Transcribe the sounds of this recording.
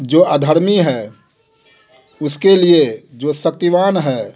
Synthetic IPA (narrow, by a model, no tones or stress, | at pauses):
d͡ʒoːʔəd̪ʱəɾmiɦɛː | ʊskelied͡ʒoːsək̚t̪iʋaːnɦɛː